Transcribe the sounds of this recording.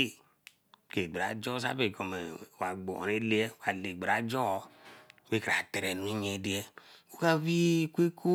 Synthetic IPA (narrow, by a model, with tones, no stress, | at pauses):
e˦˨ | ke˨ɡ͡be˨ɾa˨d͡ʒo˦sa̰˦be˨ko˨me˨wa˨ɡ͡bo̰˨ne˦le˦e˦wa˨le˨ɡ͡be˨ɾa˨d͡ʒo˦we˦ke˨a˨te˨ɾe˨nu˨˦i˦ɲe˨˦di˦e˦o˦ka˦βi˦kʷe˦kʰu˦